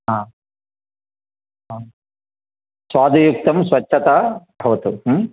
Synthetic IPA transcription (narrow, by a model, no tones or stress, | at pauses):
ɦaː | ɦa | sʋaːd̪ʱujuk̚t̪ɐmsʋɐt͡ʃʰːɐt̪abʱɐʋɐt̪uɦ